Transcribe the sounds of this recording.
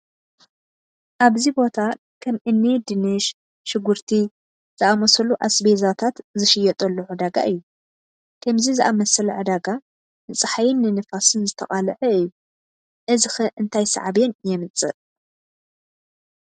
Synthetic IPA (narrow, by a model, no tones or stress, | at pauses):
ʔaβzibo̞t̪ʰa | kʰɐmʔɨnːid̪ɨnɨʃ | ʃɪɡuɾt̪ʰi | z̥ɨʔamɐsɐluʔasbezat̪ʰat̪zɨʃɪjɛt̪ʼɐlːuʕɨd̪aɡa̰ʔɨjːu | kʰɐmzizɨʔamɐsɐlʕɨd̪aɡa | nɨt͡sʼɨħajɪnːɨnɨfasɨnzɨt̪ʰɐ̰χʼalɨʕɨɨjːu | ʔɨzɨxɨʔɨnt̪ʰajsɐ̰ʕabjenjɛmɨt͡sʼɨ̰ʔ